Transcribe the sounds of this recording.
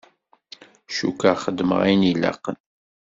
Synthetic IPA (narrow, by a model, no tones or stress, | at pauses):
ʃukaχəd̪ːmə̰ʁinila̰qːən